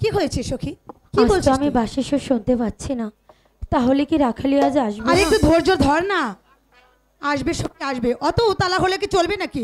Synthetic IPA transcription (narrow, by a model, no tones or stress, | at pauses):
kiɦojet͡ɕʰiʃokʰi | kiaboltoamibaʃiʃoʃunt̪epat̪ːɕʰina | t̪aɦolekiɾakʰaliad͡ʑeaʃbeaɾekʈud̪ʱoɾd͡ʑoɾd̪ʱɔɾna | aʃbeʃɔb̚keaʃbeʔɔt̪ot̪alaɦolekit͡ɕolbenaki